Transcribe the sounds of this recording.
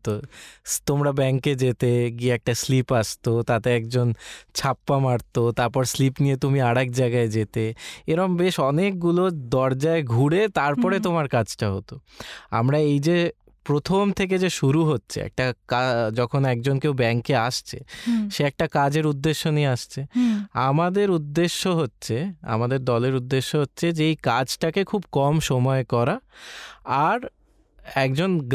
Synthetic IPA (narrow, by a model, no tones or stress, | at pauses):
ot̪omɾabɛŋked͡ʑet̪eɡieɛk̚ʈaslipaʃt̪ot̪at̪eɛkd͡ʑont͡ɕʰapːamaɽt̪ot̪aɾpɔɾslipnijet̪umiaɽɛk̚d͡ʑaeɡaed͡ʑet̪eeɾombeʃɔnek̚ɡulod̪ɔɾd͡ʑaeɡʱuɽet̪aɾpɔɾet̪omaɾkad͡ʑʈaɦot̪oa̰mɾaejd͡ʑe | pɾot̪ʰomt̪ʰek̬ed͡ʑeʃuɾuɦotːɕʰḛɛ̰k̚ʈakad͡ʑɔkʰonɛk̚d͡ʑonkewbɛŋkeaʃt͡ɕʰḛʃeɛk̚ʈakad͡ʑeɾud̪ːeʃːonieaʃt͡ɕʰeamad̪eɾud̪ːeʃːoɦotːɕʰea̰mad̪eɾd̪ɔleɾud̪ːeʃːoɦotːɕʰed͡ʑejkad͡ʑʈakekʰubkɔmʃɔmɔekɔɾa | aɾ | ɛkd͡ʑonɡ